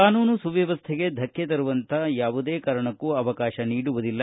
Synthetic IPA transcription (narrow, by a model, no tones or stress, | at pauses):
aːnuːnusuʋɛʋɐst̪ʰeɡe̞d̪ʱɐkːet̪ɐɾuʋɐnt̪ʰɐjaːʋud̪e̞ːkaːɾɐɳɐkːuɐʋɐkaːʃɐniːɽuʋud̪ilːɐ